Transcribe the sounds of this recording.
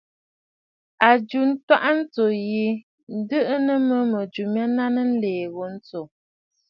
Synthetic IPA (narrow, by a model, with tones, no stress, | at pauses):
a˨d͡ʒu˨n̩˦twa˦ʔa˦n̩˦t͡so˨ji˨ | n̩˨˦də˦ʔə˦nə˦mə˦mə˨d͡ʒu˨mja˦na˦nə˦n̩˦leː˨ɣo˨˦n̩˦t͡so˨